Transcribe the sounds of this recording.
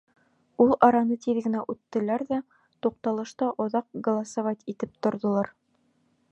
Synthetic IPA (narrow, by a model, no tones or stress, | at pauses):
ulˠɑɾɑnɤt̪iðɡɘ̆næʔʉt̪ːɘ̆læɾðæ | t̪uq̚t̪ɑlˠɤ̆ʃt̪ɑʔŏðɑq̚ɡŏlˠɑsovɑtʲit̪ɘp̚t̪ŏɾðŏlˠɑɾ